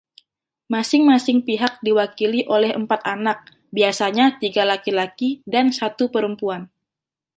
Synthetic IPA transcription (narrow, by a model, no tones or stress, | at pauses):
masɪŋmasɪŋpiɦak̚diwakiliʔolɛhəmpat̪̚anak̚ | biasaɲat̪iɡalakilakidansat̪upəɾəmpuan